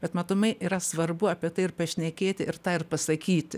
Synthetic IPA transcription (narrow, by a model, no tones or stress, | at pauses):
b̥ʲɛt̪mɐt̪ʊmɐɪʔiːɾɐsʋɐrbʊɐːpʲiɛt̪ɐɪɪrpɐʃʲnʲɛkʲeːt̪ʲɪɪrt̪ɑːɪrpɐsɐkʲiːt̪ʲɪ